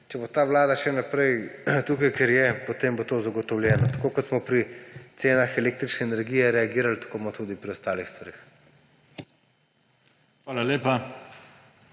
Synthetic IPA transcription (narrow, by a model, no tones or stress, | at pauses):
t͡ʃɛbot̪aːʋlaːd̪aʃɛnapɾɛjt̪uːkajkɛɾjɛpɔt̪embot̪oːzaɡɔt̪ɔwlʲjɛːnɔt̪ḁkoːkɔt̪smɔpɾit̪seːnaxɛleːk̚t̪ɾit͡ʃnɛːnɛɾɡiːjɛɾɛaɡiːɾalt̪ḁkobmɔt̪ud̪ipɾiɔst̪aːlixst̪ʋaɾeːx | xʋaːlaleːpa